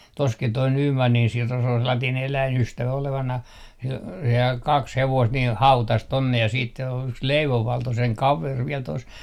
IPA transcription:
toskit̆ toi nyːmɑnːin siro se ol selːɑtiːn elæinystæʋæ oleʋɑnɑh sil sehæːŋ kɑks heʋoist niː hɑutɑs tonːe jɑ siːt se o yks leiʋoʋ ʋɑlto seŋ kɑʋer ʋiɛl tos

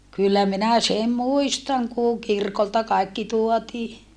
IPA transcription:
kylːæ minæ sem muistɑŋ kuˑŋ kirkoltɑ kɑikːi tuotiː

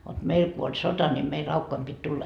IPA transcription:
ʋot meil ku olʲ sotɑ ni mei rɑukːoim pit tulːɑ

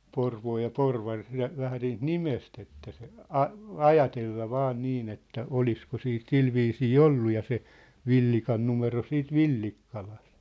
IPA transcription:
porʋoː jɑ porʋɑr læ ʋæhæ niːt nimest etːæ se ɑ ɑjɑtelːɑ ʋɑː niːn etːæ olisko siːt silʋiːsiː olːu jɑ se ʋilːikɑn numero siːt ʋilːikːɑlɑ̥st

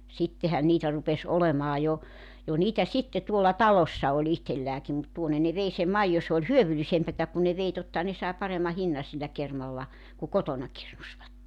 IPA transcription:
sitːehæn niːtæ rupes olemɑː jo jɑ niːtæ sitːe tuolːɑ tɑlosːɑ olʲ ihtelːæːki mut tuonːe ne ʋei sem mɑijo se ol hyøʋylisempætæ kun ne ʋei totːɑhɑ ne sɑˑe pɑremːɑ hinːɑ silːæ kermɑlːɑ ku kotonɑ kirnusʋɑtːe

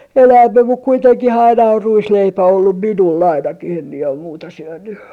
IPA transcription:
enæːmːem muk kuiteŋkih ɑinɑ or ruisleipæ olːum minul ɑinɑkih em mie om muːtɑ syønːy

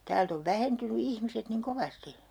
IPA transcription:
tæːlt oʋ ʋæhentyny ihmiset niŋ koʋɑsti

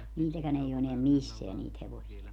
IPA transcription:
niːtækæn ei o eneæm misːeæ niːt heʋosiɑ

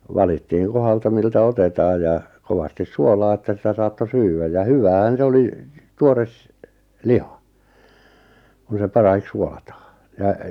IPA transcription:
ʋɑlitːiːŋ kohɑltɑ miltæ otetɑːj jɑ koʋɑstis suolɑː etːæ sitæ sɑːtːo syːwæj jɑ hyʋæːhæn se oli tuores lihɑ kun̞ se pɑrɑhik suolɑtɑː jɑ

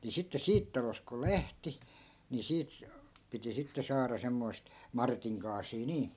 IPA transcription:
ni sitːe siːt tɑlost̆ kul̆ læhti ni siːt piti sitːe sɑːrɑ semːoi̯st mɑrtiŋ kɑːsiː niː

